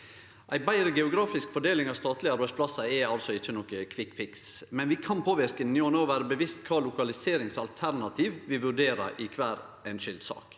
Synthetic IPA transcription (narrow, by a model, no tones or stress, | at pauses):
ʔæɪbæɪɾəɡɛʊɡɾɑːfɪskfɔɖeːlɪŋɑːʋst̪ɑːt̪lɪɑɾbæɪspʰlɑsəɛɑlsɔɪt͡ʃːənɔkəkʰʋɪkfɪksmɛnʋɪkʰɑnpʰoːʋɪɾkənjuːɔnoːʋæːɾəbəʋɪst̪kʰɑːlʊkɑlɪseːɾɪŋsɑlt̪ʰæɾnɑt̪ʰiʋʋɪʋʉɖeːɾə̰ʔɪkʰʋæːɾ | ɛnʃʏld̪sɑ̰ːk